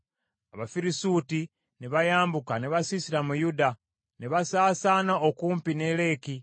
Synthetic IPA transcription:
aβafiɾisuːti | neβajaːmbukaneβasisiɾamujuda | neβasaːsaːnaokuːmpine̞le̞ːki

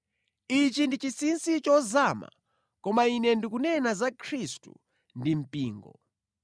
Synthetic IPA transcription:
it͡ʃindit͡ʃisinsit͡ʃɔzaːma̰ | kɔmainɛndikunɛnazakʰɾistṵ | ndim̩piːŋɡɔ̰

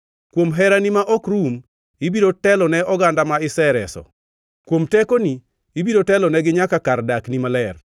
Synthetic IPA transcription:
kwomɦɛɾanimaʔɔkɾum | ibiɾotɛlɔnɛɔɡandamaɪsɛɾɛsɔ̰ | kwomtɛkoniː | biɾotɛlɔnɛɡɪɲakakardaknimalɛr

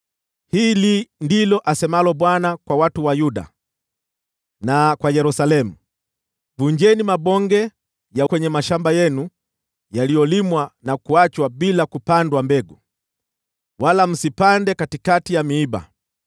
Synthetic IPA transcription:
hiːlindilɔʔasɛmalɔɓwanakwawatuwajuɗa̰ | nakwajɛɾusalɛmu | vuɲd͡ʒɛnimaɓɔŋɡɛ | jakwɛɲɛmaʃambajɛnu | jalijɔlimwanakuat͡ʃwaɓilakupandwambɛɡu | walam̩sipandɛkatikatijamiːba̰

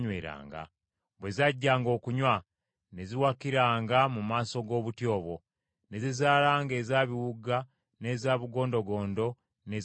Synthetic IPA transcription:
ɲweːɾa̰ːŋɡa̰ | βwe̞zaɟːaːŋɡo̞ːkuɲwa | ne̞ziwakiɾaːŋɡamumaːso̞ɡo̞ːβutjo̞ːβo̞ | ne̞zizaːlaːŋɡe̞ːzaβiwuɡa | ne̞zaːβuɡo̞ːndo̞ɡo̞ːndo̞ | ne̞z

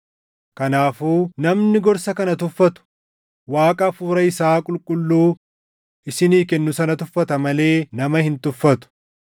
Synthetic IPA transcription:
kɐnaːfuːnɐmnɪɡɔɾsɐkɐnɐt̪ʊfːɐt̪ʊ̥ | waːkʼɐfuːɾɐɪsaːkʼʊlkʼʊlːuː | ʔɪsɪniːkɛnːʊsɐnɐt̪ʊfːɐt̪ɐmɐle̞ːnɐmɐhɪnt̪ʊfːɐt̪ʊ̥

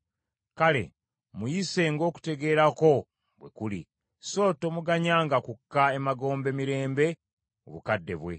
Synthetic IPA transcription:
kale̞̰ | mujise̞ŋɡo̞ːku̥te̞ɡe̞ːɾako̞ | βwekuli | so̞ːto̞muɡaɲaːŋɡakukːae̞maɡo̞ːmbe̞miɾe̞ːmbe̞ | o̰βukadːe̞βwe̞̰

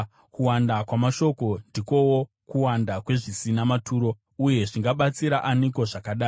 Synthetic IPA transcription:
kuwandakwamaʃo̞ko̞ndiko̞wo | kuwandakwe̞ʐisinamatʰuːɾo̞ | uje̞ʐiŋɡaɓat͡siɾaʔaniko̞ʐakaɗaːi

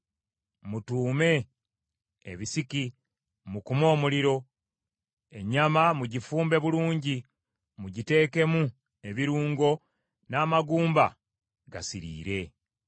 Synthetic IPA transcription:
mutuːme̞ | βisiki | mukumo̞ːmuliɾo̞ | e̞ɲamamuɟifuːmbe̞βuluːɲɟi | muɟite̞ːke̞mu | e̞βiɾuːŋɡo̞ | naːmaɡuːmba̰ | ɡasiɾḭːɾe̞

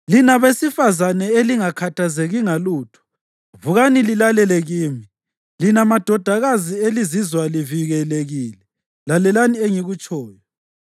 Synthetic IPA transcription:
linaβesifazanɛeliŋakʰatʰazeɣiŋaluːtʰɔ̥ | vuɣanililalɛlɛɣiːmi | linamad̥ʱɔd̥ʱaɣazielizizwaliviɣɛleɣiːlɛ | lalɛlanieŋiɣut͡ʃʼɔːjɔ

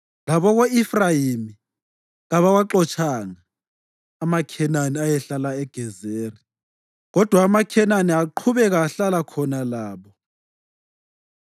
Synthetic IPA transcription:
laβɔɣoifrajimi | ɣaβaɣwaǃɔt͡ʃʰʼaŋaː | makʰɛnaniajɛɬalaɛɡ̥ʱɛzeːri | ɣɔd̥ʱwaːmakʰɛnaniaǃʰuβɛɣaːɬalakʰɔnalaːβɔ

